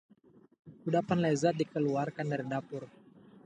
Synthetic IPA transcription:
kudapanlezat̚dikəluarkandaɾidapʊr

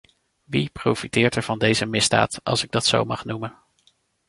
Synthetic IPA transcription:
ʋiprowfitɪːɹtɛɹv̥ɑndejzəmɪzda̰ːtɑ̰lˠsɪɡ̚dɑtso̰wmɑχnumən

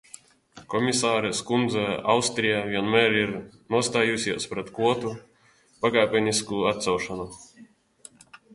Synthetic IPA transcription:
kɔmʲisaːɾɛskund̪zɛa̰wst̪ɾijaːvʲiɛnmɛːɾiɾnuɔst̪aːjusʲiɛspɾɛt̪kuɔt̪u | paɡaːpʲɛnʲiskuat̪t̪sawʃanu

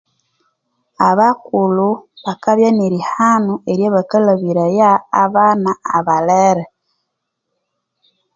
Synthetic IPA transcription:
aβakuluβakaβjaniɾihanueɾjoβakalaβiɾajaːβanaaβaleɾe

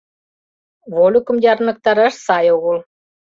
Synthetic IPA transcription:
volʲukə̆mjɑɾnɤ̆k̚t̪ɑɾɑʃsɑjoɣəl

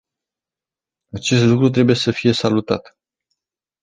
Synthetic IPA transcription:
at͡ʃe̞st̪lukɾut̪̬ɾe̞buje̞səfije̞salut̪a̰t̪

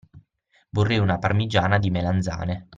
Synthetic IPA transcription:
vorːɛjunaparmid͡ʒaːnad̪imeland̪za̰ːne

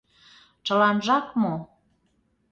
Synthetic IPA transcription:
t͡ʃəlɑnʒɑkmo

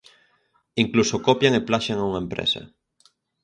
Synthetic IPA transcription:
iŋklusokopjaŋeplaʃeŋauŋaempɾḛsɐ̰

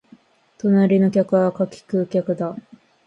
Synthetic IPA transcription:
t̪o̞naɾʲino̞kʲakɯ̟βakakʲi̥kɯ̟kʲakɯ̟d̪a

